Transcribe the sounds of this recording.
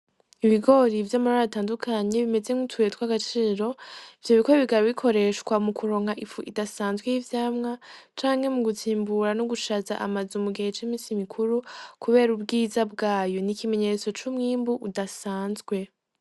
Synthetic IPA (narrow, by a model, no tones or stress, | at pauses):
iβiɡo̞ɾivjoːmuɾaataːndukʰaɲe̞βime̞ze̞ŋutʰuetkwaɡat͡ʃiːɾo̞ivjo̞βiko̞βiɡaɾβikʰo̞ɾe̞ʃkwamukʰuɾo̞ːŋ̥haʔifuʔidasaːnzɡwejivjaːmŋat͡ʃaːŋhe̞muɡutʰiːmbuɾanoɡuʃaza̰ʔa̰mazumuɡihet͡ʃimiːnsimikʰuɾukuβe̞ːɾubɡiːzabɡaːjo̞nikʰime̞ɲe̞t͡so̞t͡ʃumŋiːmbuʔudasaːnzɡwe̞